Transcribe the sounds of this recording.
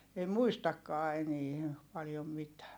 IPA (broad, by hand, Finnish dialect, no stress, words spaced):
ei muistɑkːɑː enie pɑljom mitæː